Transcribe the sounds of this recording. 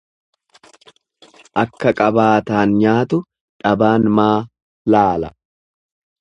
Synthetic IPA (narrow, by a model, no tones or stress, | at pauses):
ʔɐkːɐkʼɐbaːt̪aːnɲaːt̪ʊ | ᶑɐbaːnmaː | laːlɐ